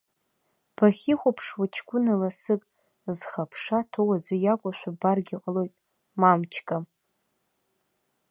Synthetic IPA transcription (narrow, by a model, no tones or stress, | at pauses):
b̥aχʲiχʷapʰʂwat͡ʃʰkʷʼʊnalasɨkʼ | zχapʰʂatʰowad͡zʷojakʷʼʊʃʷabarɡʲiqʼəlo̞jtʼ | mamt͡ʃʰkʼa